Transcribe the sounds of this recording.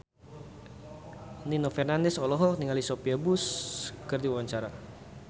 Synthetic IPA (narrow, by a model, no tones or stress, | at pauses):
ninɔfɛrnandɛsɔlɔɦɔniŋalisopiabuskərdiwawaɲt͡ʃaɾa